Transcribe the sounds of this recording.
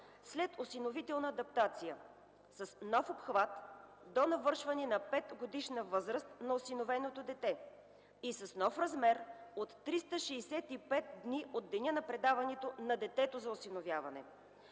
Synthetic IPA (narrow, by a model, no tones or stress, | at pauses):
slɛt̪osinovit̪ɛlˠnɐːd̪ɐp̚t̪at̪sijə | sɐsnɔfopxvat̪ | d̪onɐvɤɾʃvɐnɛnɐpɛt̪ɡod̪iʃnəvɤzɾəst̪nɐosinovɛnot̪od̪ɛt̪ɛ | isɐsnɔfɾɐzmɛɾot̪ːɾist̪əʃɛːsɛt̪ipɛt̪̚d̪niʔod̪̚d̪ːɛnʲənɐpɾɛd̪avɐnɛt̪onɐd̪ɛt̪ɛt̪ozɐosinovjavɐnɛ̰